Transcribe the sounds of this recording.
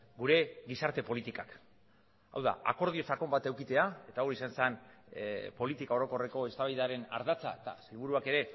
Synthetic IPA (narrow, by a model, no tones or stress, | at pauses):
ɡuɾe̞ɡisaɾt̪e̞po̞lit̪ikak | a̰wða̰a̰ko̞ɾð̞io̞t͡sako̞mbat̪e̞wkit̪e̞ae̞t̪aoɾisansan | po̞lit̪ikao̞ɾo̞ko̞re̞ko̞e̞st̪aβajðaɾe̞na̰ɾðat͡sa̰et̪a̰selβuɾuake̞ɾe̞